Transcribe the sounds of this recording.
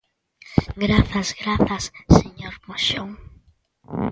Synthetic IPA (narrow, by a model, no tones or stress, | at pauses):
ɡɾaθɐzɣɾaθɐsːeɲoɾmoʃoŋ